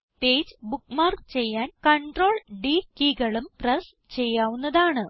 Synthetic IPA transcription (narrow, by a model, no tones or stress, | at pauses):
peːd͡ʑbukːmaːrkt͡ɕe̞jːaːnkɐɳɖro̞ːɭɖiːkiːɡɐɭumprɐs | t͡ɕe̞jːaːʋunːɐðaːɳɨ